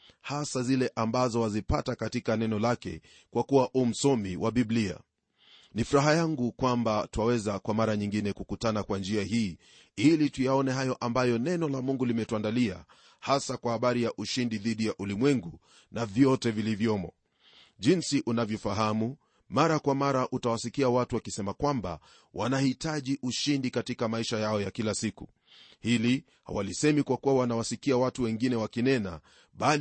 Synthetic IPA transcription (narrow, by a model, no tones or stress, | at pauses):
hasazilɛʔambazɔwazipatakatikanɛnɔlakɛ̰ | kwakuwaʔum̩sɔmiwʔaɓiɓlia̰ | nifuɾaɦajaŋɡukwambatwawɛzakwamaɾaɲiŋɡinɛkukutanakwand͡ʒiahiː | ilitujaɔnɛɦajɔʔambajɔnɛnɔlamuŋɡulimɛtuandalia̰ | hasakwahaɓaɾijaʔuʃindiðiɗijaʔulimwɛŋɡu | navjɔtɛvilivjɔmɔ | ʄinsiʔunavjɔfaɦamu | maɾakwamaɾaʔutawasikiawatuwakisɛmakwamba̰ | wʔa̰nahitaʄiʔuʃindikatikamaiʃajaɔjakilasikṵ | hili | ha̰wa̰lisɛmikwakuwawanawasikiawatuwɛŋɡinɛwakinɛna̰ | ɓal